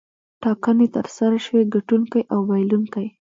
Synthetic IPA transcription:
ʈɑkənet̪əɾsaɾaʃweɡaʈuŋkajʔawbajluŋkaj

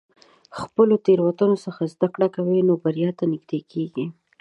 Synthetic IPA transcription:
xpəlot̪eɾwat̪unosəxazd̪akɽakawenobaɾijɑt̪anɪɡd̪ekʰeɡi

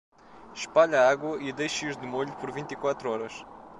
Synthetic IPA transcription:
ʃpaʎɐaɡwɐʔid̪ejʃuʒd̪ɨmoʎupɔɾvĩnt̪ikwat̪ɾuɔɾɐʃ

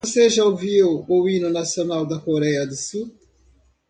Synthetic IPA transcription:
oseʒɐuviwoĩnʊnasionawd̪ɐkoɾɛjɐd̪ɪsu

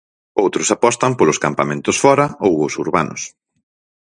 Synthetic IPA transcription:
owt̪ɾʊsapɔst̪ɐmpolʊskampamẽnt̪ʊsfɔɾɐowosuɾβanʊ̰s

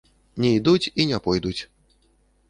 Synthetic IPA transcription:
nʲɛid̪ut͡sʲinʲɛpɔjd̪ut͡sʲ

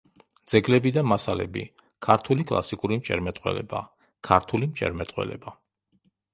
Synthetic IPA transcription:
d̪z̥ɛɡlɛbid̪amasalɛ̰bḭ | kʰaɾt̪ʰulikʼlˠa̰sikʼuɾimt͡ʃʼɛɾmɛt̪ʼwɛ̰lɛ̰ba | kʰaɾt̪ʰulimt͡ʃʼɛ̰ɾmɛt̪ʼqʼwɛ̰lɛ̰ba

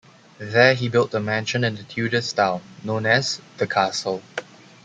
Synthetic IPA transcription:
ðɛɦibɪlt̚dəmæ̃nʃə̃nɪ̃ndətʰjudəstãʊnõnɛzdəkʰasəlˠ

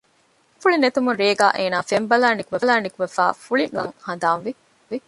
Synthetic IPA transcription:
fuɭinet̪umunɾeːɡaːʔeːnaːfembɐlaːnikuʋelaːnikuʋefa̰ːfuɭiŋɡɐ̰ŋhɐnd̪aːnʋi | i

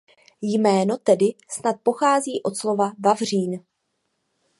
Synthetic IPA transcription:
jmɛːno̞t̪ɛdɪsnat̪̚po̞xaːziːʔo̞t̪slo̞vavavr̝iːn

